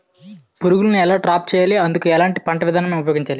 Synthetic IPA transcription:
puɾuɡulɐniɛlaːʈɾaːp̚t͡ʃɛːjaːliɐnd̪ukuɛlaːɳʈipɐɳʈɐʋid̪ʱaːnɐmeːmupɐjoɡiɲt͡ʃaːli

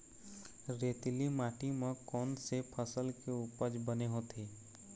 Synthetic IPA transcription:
ɾeːt̪limaːʈimẽkɔːnsepʰəsəlkeupəd͡ʒbəneɦoːt̪ʰeː

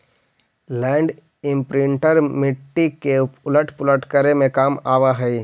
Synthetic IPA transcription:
lɛ̃ːɳɖ | ɪ̃mpɾɪ̃ɳʈəɾmɪʈːikeʊləʈʰpʊləʈʰkəɾemẽkaːmaːʋaɦɛi

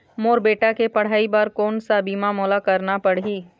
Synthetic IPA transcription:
moːɾbeːʈakepɐɽ̤aːibaːɾkoːnsabiːmãmoːlakɐɾnapɐɽɦiː

